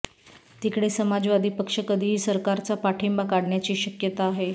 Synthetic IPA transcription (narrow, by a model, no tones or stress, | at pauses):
t̪ikɽesəmad͡zʋad̪ʱiːpəkʂəkəd̪ʱiːɦiːsəɾkaɾt͡sapaʈʰimbakaɽɳjat͡ɕiːɕəkjət̪aːɦe